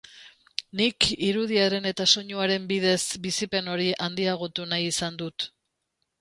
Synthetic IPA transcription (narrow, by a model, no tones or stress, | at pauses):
nikiɾuð̞iaɾe̞ne̞t̪aso̞ɲuaɾe̞mbið̞e̞sbisipe̞no̞ɾiʔand̪iaɣ̞ot̪unajisand̪ut̪